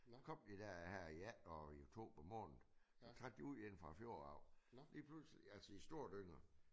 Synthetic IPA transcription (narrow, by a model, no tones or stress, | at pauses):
sɑ̥kʰɒ̽m̰d̥id̥æɐ̰hæɐ̰iæd̥ɒio̝t͡sʰo̝̰ːb̥ɐmɔ̰̽ːnð̩ˠ | sɒt͡sʰʁad̥̚ːiuð̰ˠen̰fʁɑ̈fjo̝ɐɑ̈ʊ̰liːpʰlusliælsəisd̥o̝ːɐ̰d̥øŋ̰ɐ